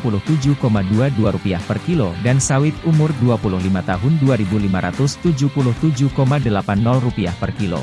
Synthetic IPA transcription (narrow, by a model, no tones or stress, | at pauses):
pulʊht̪ud͡ʒukomaduaduaɾupiahpərkilodansawɪt̪̚umʊrduapulʊhlimat̪aɦʊnduaɾibulimaɾa̰t̪ʊst̪ud͡ʒupulʊht̪ud͡ʒukomadəlapanːɔlrupiahpərkilo̰